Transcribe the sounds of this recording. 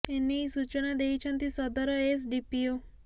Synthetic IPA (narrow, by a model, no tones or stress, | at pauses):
enisut͡ʃənad̪eit͡ʃʰə̃nt̪isɔd̪ɔɾɔes̬ɖipio